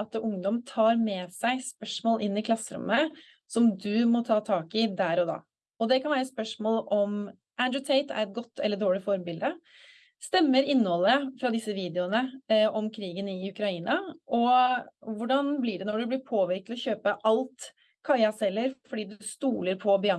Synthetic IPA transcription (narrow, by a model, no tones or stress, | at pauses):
ɑt̪ʊŋd̪ɔmt̪ʰɑːɾmɛsæɪspœʂmoːlʔɪnːɪkʰlɑsːəɾʊ̰mːə | sɔmd̪ʉmɔt̪ʰɑːt̪ʰɑːkɪd̪æːɾɔd̪ɑ̰ː | ɔd̪ɛkʰɑnʋæːɾəspœʂmoːlɔm | ʔænd̪ɾʊt̪ʰɛɪt̪ʰæ̰ɾɛt̪̚ɡɔt̪ʰːɛlːəɖ̪oːɭɪfɔɾmbɪld̪ə | st̪ɛmːəɾɪnːhɔlːəfɾɑd̪ɪsːəʋiːd̪ɛʊnəɔmkʰɾiːɡənɪʉkɾɑiːnɑʔɔ | ʋʊɖɑnblɪɖɛnɔɖʉb̪ɪɾpʰoːʋɪɾkt̪ɔçøːpəʔɑlt̪ | kʰɑɪɑsɛlːəɾfɔɖiːd̪ʉst̪uːləɾpʰɔbɪɑ